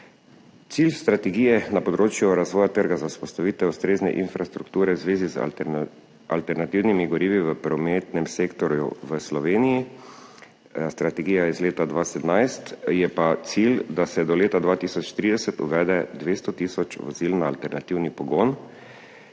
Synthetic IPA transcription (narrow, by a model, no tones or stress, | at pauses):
t̪silst̪ɾat̪ɛɡiːjɛnapɔd̪ɾoːt͡ʃjuɾazʋɔːjat̪əɾɡazauspɔst̪aʋiːt̪ɛust̪ɾeːznɛ̰ʔinfɾʔast̪ɾukt̪uːɾɛwzʋeːziz̰ | a̰lt̪ɛɾnat̪iwnimiɡɔɾiːʋiʋəpɾɔmeːt̪nɛmseːkt̪ɔɾjṵʋəslɔʋeːniji | st̪ɾat̪ɛɡiːjaizleːt̪ad̪ʋaːsɛd̪najst̪jɛpat̪sild̪asɛd̪ɔleːt̪ad̪ʋaːt̪iːsɔt͡ʃt̪ɾiːd̪ɛsɛt̪ṵʋɛːd̪ɛd̪ʋeːst̪ɔt̪iːsɔt͡ʃʋɔziːlnaːlt̪ɛɾnat̪iːwnipɔɡoːn